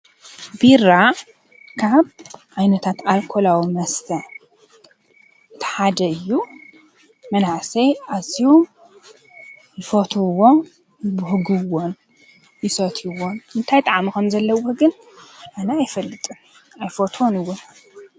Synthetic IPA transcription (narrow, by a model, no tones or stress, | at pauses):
biɾa | kʰaβʔajnɐt̪ʰat̪alkʰolawimɐst̪ʰɐ | ʔɨt̪ʰi̥ħad̪ɐɨjːu | mɐnaʕsɐjaziho | jɪfot̪ʰuwːo | jbʊhɡɨwo̞n | jɪsɐt̪ʰiwonɨnt̪ʰajt̪ʼaʕmikʰɐmzɐlːɐwːoɡɨn | ʔanɐajfɐlːɨt̪ʼɨn | ajfot̪ʰonɨwːon